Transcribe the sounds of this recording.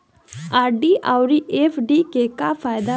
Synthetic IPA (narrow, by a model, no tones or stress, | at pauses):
aːɾɖiːʔaːwɾiːʔeːpʰɖiːkeːkafʰaːɪd̪a